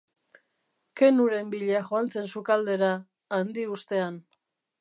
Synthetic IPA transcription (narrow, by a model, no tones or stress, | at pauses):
ke̞nuɾe̞mbiʎeaʝoant͡se̞nsukald̪e̞ɾaː | nd̪iust̪e̞an